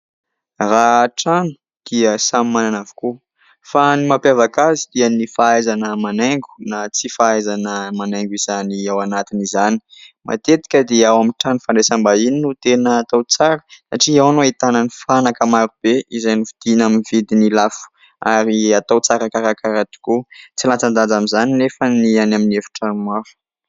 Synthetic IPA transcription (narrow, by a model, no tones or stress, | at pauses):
raʈ͡ʂanu̥ | d̪̥iəsamimananavu̥ku | fanimapjavakazid̪̥iənifaajzanəmaneŋɡu̥nat͡sifaajzanəmanaŋɡizaniawanat̪inizani̥mʔa̰t̪et̪i̥kʲəd̪eawamiʈ͡ʂanifaɳɖ͡ʐesambaininut̪enəːt̪awt͡saɾə̥sa̰ʈ͡ʂiawanoit̪ananifanakəmaɾub̥eizajnivid̪̥inaminivid̪inilafu̥ | aɾiat̪awt͡saɾakaɾakaɾat̪i̥kut͡silant͡sand̪ad͡zamizanilefənianaminefi̥ʈ͡ʂəmaɾu̥